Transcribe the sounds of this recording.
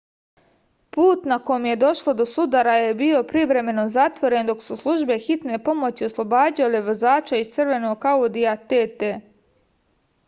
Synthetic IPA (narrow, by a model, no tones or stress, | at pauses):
puːt̪nako̞jmje̞d̪o̞ʃlo̞d̪o̞sud̪aɾaje̞bio̞pɾiʋɾe̞me̞no̞zat̪ʋo̞ɾe̞nd̪o̞ksuslˠuʒbe̞xit̪ne̞po̞mo̞t͡ɕioslˠo̞baːd͡ʑaleʋozaːt͡ʃaist̪sr̩ʋe̞noɡ̚kaod̪iat̪et̪e